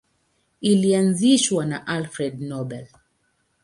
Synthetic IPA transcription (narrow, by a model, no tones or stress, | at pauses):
ilianziʃwanaʔalfɾɛdnɔbɛl